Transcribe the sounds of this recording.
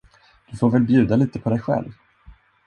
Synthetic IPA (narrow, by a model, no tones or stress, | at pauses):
d̪̥ɵfoːɾvɛːlbjʉ̟ːd̪aliːt̪əpʰɔd̪ɛjɧɛ̰lv